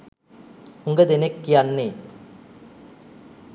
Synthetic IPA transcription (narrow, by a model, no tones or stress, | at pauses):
uŋɡɐd̪enekːijanːeː